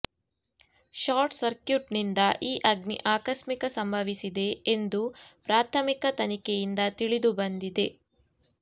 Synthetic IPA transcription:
ʃaːɾʈsɐɾkjuʈnind̪ɐʔiːʔɐɡniʔaːkɐʃmikɐsɐmbʱɐʋisid̪e̞ːnd̪upɾaːt̪ʰɐmikɐt̪ɐnikejind̪ɐt̪iɭid̪ubɐnd̪id̪e̞

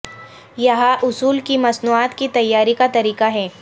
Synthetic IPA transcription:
jɐɦaʔʊsuːlkimɐsnuaːt̪kit̪ɐjːaːɾikat̪ɐɾiːkaɦɛː

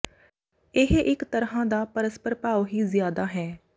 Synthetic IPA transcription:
ɪɦʔɪkt̪əɾɦãːd̪aːpəɾəspəɾpaːoɦiːzɪjaːd̪aːɦɛː

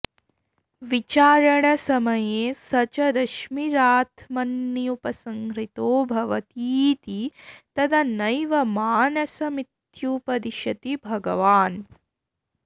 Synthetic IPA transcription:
ʋit͡ʃaːɾɐɳɐsɐmɐjeːsɐt͡ʃɐɾɐʃmiɾaːt̪ʰmɐnːijupɐsɐŋkɾit̪oːbʱɐʋɐt̪iːt̪it̪ɐd̪ʰʱɐnɐjʋɐmaːnɐsɐmit̪jupɐd̪iʃɐt̪ibʱɐɡɐʋaːn

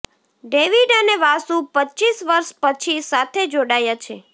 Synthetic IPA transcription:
ɖeʋiɖəneʋasũpətːt͡ʃisʋəɾʃpət͡ʃʰisat̪ʰed͡ʒoɽajat͡ʃʰe

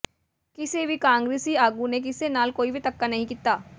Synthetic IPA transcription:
kɪsebʱikãːŋɡɾeːsiaːɡunek̬ɪsenaːlkoːibʱit̪ɐkːanɐɦĩkiːt̪aː

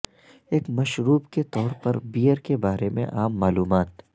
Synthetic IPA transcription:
eːkmɐʃɾuːbket̪ɔːɾpɐɾbiːjəɾkebaːɾemḛ̃ʔaːmːaːluːmaːt̪

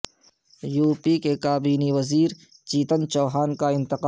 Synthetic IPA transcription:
juːpikekaːbiːniʋɐziːɾ | t͡ʃiːt̪ənt͡ʃɔːɦaːnkaɪ̃nt̪ɪqa

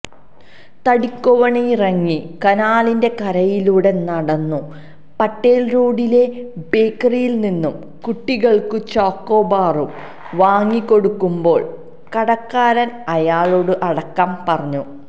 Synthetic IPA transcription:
t̪ɐɽikːoʋɐɳɐrɐŋːikɐnaːlinde̞kɐɾɐjiluːɽe̞nɐɽɐnːu | pɐʈːeːlɾoːɽile̞beːkːɐrijilninːum | kuʈːiɣɐɭkɨt͡ɕoːkːo̞ːbaːrum | ʋaːŋːikːo̞ɽukːumbo̞ːɭ | kɐɽɐkːaːɾɐnɐjaːɭoːɽɨʔɐɽɐkːaːmpɐrɐɲːu

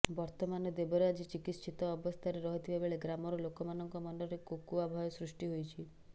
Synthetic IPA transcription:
bɔɾt̪ɔmanɔd̪ebɔɾead͡ʒit͡ʃikit̪ʃʰit̪ɔːbɔst̪ʰaɾeɾɔɦit̪ʰibebeɭeɡɾamɔɾɔlokɔmanɔŋkɔmɔnɔɾekukuabʱɔjɔsɾusʈiɦojt͡ʃʰi

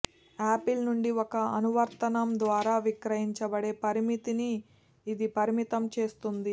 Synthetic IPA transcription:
aːpilnuɳɖiɔkɐɐnuʋɐɾt̪ɐnɐmd̪ʋaːɾaːʋikɾɐɦiɲt͡ʃɐbɐɽe̞ːpɐɾimit̪iniː | d̪ipɐɾimit̪ɐmt͡ʃe̞ːst̪und̪i

